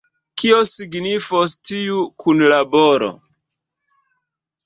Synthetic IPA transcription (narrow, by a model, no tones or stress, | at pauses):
kiosiɡnifostiukʰunlaboɾo̰